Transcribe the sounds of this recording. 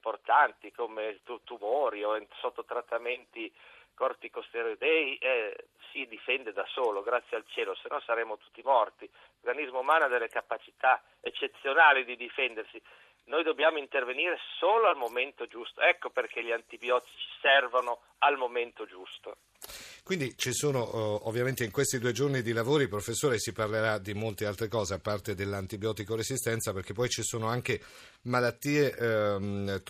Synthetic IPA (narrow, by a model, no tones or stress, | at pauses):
import̪ant̪ikomet̪ut̪umoːɾiosot̪ːot̪ɾat̪ːament̪ikort̪ikost̪eɾod̪ɛjʔɛ | sid̪ifɛnd̪ed̪asoːloɡɾat̪sːjealt͡ʃeːlosenʔɔsaɾeːmot̪u̥t̪ːimɔrt̪i | orɡanizmoumaːnad̪elːekapat͡ʃi̥t̪a | et͡ʃːet̪sːjonaːlid̪id̪ifɛnd̪ersi | nojd̪obːjaːmoint̪erveniːɾesoːloalmoment̪od͡ʒust̪oɛkːoperk̟eʎiant̪ibjɔːt̪i̥t͡ʃi̥sɛrvono | almoment̪od͡ʒust̪o̰ | kwind̪it͡ʃisoːnoovːjament̪eiŋkwest̪id̪uːed͡ʒornid̪ilavoːɾipɾofesːoːɾesiparleɾad̪imolt̪ealt̪ɾekɔːzeapːart̪ed̪elːant̪ibjɔːt̪ikorezist̪ɛnt̪saperk̟epːɔjt͡ʃisoːnoaŋk̟e | malat̪ːiːeʔ